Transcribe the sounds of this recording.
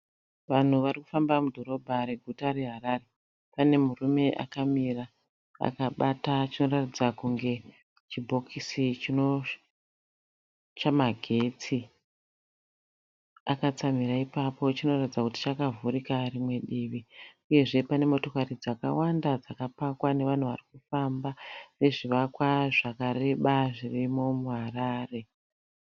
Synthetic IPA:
ʋan̤uʋariku̥fambamudʱo̞ɾo̞bʱaɾe̞ɡʱutare̞ɦaɾare̞ | pane̞murume̞ʔa̰kamira | a̰kaɓatat͡ʃino̞ratid͡zakuŋɡe̞ | t͡ʃibʱo̞kʰisit͡ʃino̞ | t͡ʃamaɡʱe̞t͡si | akat͡samiɾaipapo̞t͡ʃino̞ratid͡zakuti̥t͡ʃakavʱuɾikarimwe̞ɗiːʋiuje̞ʐe̞pane̞mo̞to̞karid͡zaka̰wandad͡zakapakwane̞ʋan̤uʋa̰rikufambane̞ʐiʋakwaʐakare̞ɓaʐirimo̞muɦaraːre̞

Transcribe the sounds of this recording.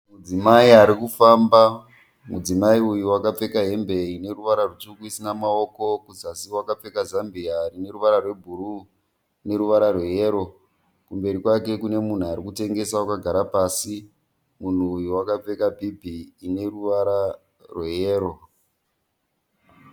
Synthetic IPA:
mud͡zimaiaɾikufamba | mud͡zimaiujuwakap͡fe̞kaɦe̞mbe̞ine̞ruʋaɾarutukuisinamao̞ko̞kuzasiwakap͡fe̞kazambiarine̞ɾuʋaɾarwe̞bʱuɾu | ne̞ɾuʋaɾarwejeɾo̞ | kumbe̞ɾikwake̞kune̞mun̤uaɾikute̞ŋɡe̞sawakaɡʱaɾapaːsi | mun̤uːjuwakap͡fe̞kabʱibʱiːne̞ruʋaɾa | rwejeːɾo̞

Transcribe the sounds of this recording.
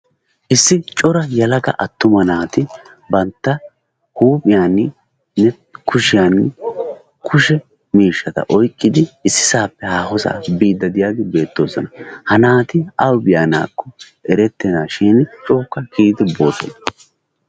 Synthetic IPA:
ʔɪsːɪt͡ʃʼɔɾɐjɐlɐɡɐ̰ʔɐt̪ːʊmɐnaːt̪ɪ | bɐnt̪ːɐ | huːpʼɪjaːn | nɛ | kʰʊʃɪjaːn | kʰʊʃɛ | miːʃːɐt̪ɐ̰ʔɔjkʼːɪd̪ɪɪsːɪ̥saːpːɛhaːɦɔsa̰biːd̪ːɐd̪ɪjaːɡɪbe̞ːt̪ːo̞ːsɔnɐhɐnaːt̪ɪɐwbɪjaːna̰ːkːɔ | ɛɾɛt̪ːɛnaːʃiːnt͡ʃʼoːkːɐkiːd̪ɪbo̞ːsɔ̰nɐ

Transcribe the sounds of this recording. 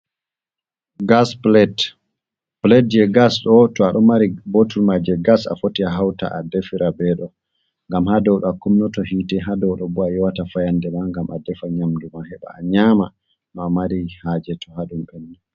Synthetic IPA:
ɡasplɛt | plɛt̚d͡ʒɛɡasɗɔtɔaɗɔmaɾibotulmad͡ʒɛɡasa̰fotiaɦawta̰ʔa̰dɛfiɾʔabɛːɗɔ | ŋɡamhadɔwɗɔakumnɔtɔɦiːtɛɦadɔwɗɔbuajɔwatafajandɛmaŋɡamʔadɛfaɲamdumahɛɓa̰aɲama | nɔamaɾihad͡ʒɛtʰɔhaɗumɓɛnːɛ

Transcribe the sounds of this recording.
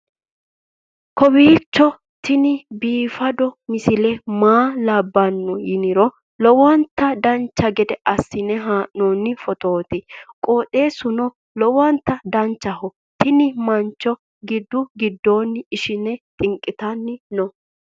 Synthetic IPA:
kɔbiːt͡ʃːɔ | t̪ɪnɪbiːfɐd̪ɔmɪsɪlɛmaːlɐbːɐnːɔjɪnɪɾɔ | lɔwɔnt̪ːɐd̪ɐnt͡ʃːɐɡɛd̪ɛʔɐsːɪnɛɦaːʔnoːnːɪfɔt̪o̞ːt̪ɪkʼoːt̪ʼe̞ːsʊnɔ | lɔwɐnt̪ːɐd̪ɐnt͡ʃːɐhɔ | t̪ɪnɪmɐnt͡ʃːɔ | ɡɪd̪ːʊɡɪd̪ːo̞ːnːɪɪʃɪnɛt̪ʼɪŋkʼːɪt̪ɐnːɪnɔ

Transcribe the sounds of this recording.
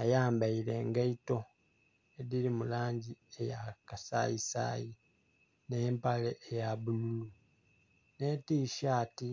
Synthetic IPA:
ajaːmbaiɾe̞ŋɡaito̞ | eðiɾimulaːɲɟiejakasa̰isa̰ːji | neːmpaleʔejaβululu | ne̞tiʃaːti

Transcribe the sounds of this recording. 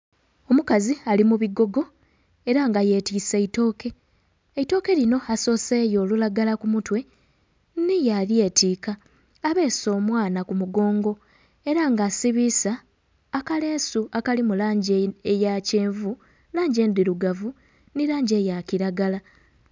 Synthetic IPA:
o̞mukazialimuβiɡo̞ɡo̞ | e̞ɾaŋɡaje̞ːtiːseito̞ːke̞ː | ito̞ːke̞lino̞aso̞ːse̞ːjo̞ːlulaɡalakumutwe̞ | nijalje̞ːtiːka | aβe̞ːso̞ːmwaːnakumuɡo̞ːŋɡo̞ | e̞ɾaŋɡasiβisaː | kale̞ːsuakalimulaːɲɟeejace̞ːɱvu | laːɲɟe̞ːnd̪iɾuɡavu | niɾaːɲɟe̞ːjaciɾaɡala

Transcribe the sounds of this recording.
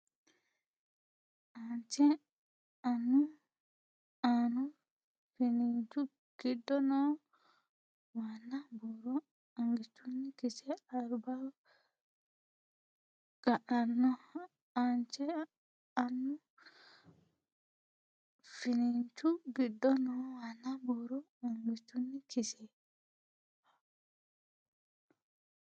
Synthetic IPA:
ʔant͡ʃɛ | anːu | anu | finint͡ʃu | ɡ̥idːɔnɔ | wanːabɔɾɔ | aŋɡit͡ʃːunːikit͡ʃɛaɾba | ɡ̥aʔanːɔ | ant͡ʃɛ | anːɔ | finint͡ʃuɡidːɔnɔwanːabɔɾɔ | aŋɡitːunːikʰisɛ | a

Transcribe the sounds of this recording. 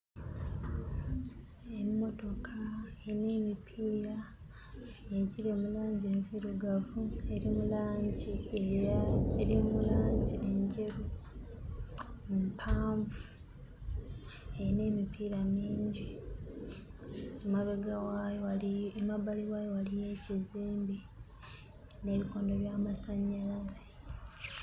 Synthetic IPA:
emːo̞to̞kʰaene̞ːmipʰiːɾa | jeciɾe̞mulaːɲɟe̞nsiɾuɡavue̞ɾimulaːɲɟieaeɾimulaːɲɟiʔeɲɟe̞ɾu | mupʰaːɱvu | eine̞ːmipiːɾamiːɲɟi | maβeɡa | emaβaliwajowalije̞ciziːmbi | ne̞ːβiko̞ːndoljaːmasaɲːalazi̥

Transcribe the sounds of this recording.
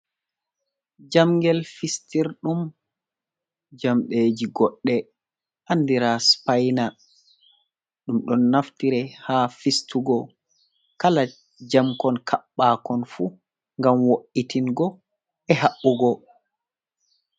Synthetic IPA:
d͡ʒamɡɛlfistiɾɗum | d͡ʒamɗeːd͡ʒiɡɔɗːɛ | ʔandiɾaspajna | ɗumɗɔnːaftiɾɛhaːfistuɡɔ | kala | d͡ʒamkɔnkʰaɓːaːkɔnfu | ŋɡamwoʔitinɡɔ | ɛɦaʔuɡɔ

